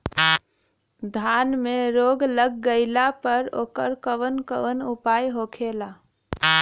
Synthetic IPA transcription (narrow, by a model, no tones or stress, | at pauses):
d̪ʱanmeɾoɡləɡːəɪlapəɾo̰ːkəɾkəʋənkəʋənupajɦokʰela